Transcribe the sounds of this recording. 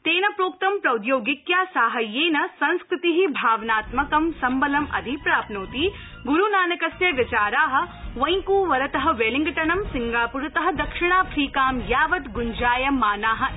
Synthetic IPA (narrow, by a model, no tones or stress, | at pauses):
t̪eːnɐpɾoːk̚t̪ɐmpɾɐwd̪joːɡɪkjaːsaːɦɐjeːnɐsɐ̃nskɾɪt̪iɦibʱaːʋnaːt̪mɐkɐmsɐmbɐlɐmɐ̰d̪ʱipɾaːpnoːt̪i | ɡuɾunaːnɐkɐsjɐʋjɐt͡ʃaːɾaːɦɐ̆ʋɐj̃ŋkuːʋɐɾɐt̪ɐɦɐ̆ʋeːliŋɡɐʈɐɳɐmsɪŋɡaːpuɾɐt̪ɐɦɐ̆d̪ɐkʃɪɳ̃aːpʰɾiːkaːmjaːʋɐt̪ɡund͡ʒaːjɐmːaːnaːɦɐ̆